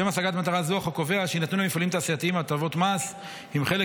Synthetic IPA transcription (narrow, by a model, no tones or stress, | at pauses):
emasaɡat̪mat̪aʁazuaχakove̞aʃeinat̪nulemifalimt̪aːsiat̪iimatavo̞t̪mas | himχe̞le